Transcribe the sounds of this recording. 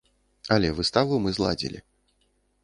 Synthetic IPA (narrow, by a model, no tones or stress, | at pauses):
ɐlʲɛvɨst̪avumɨzlˠa̰d͡zʲḭlʲḭ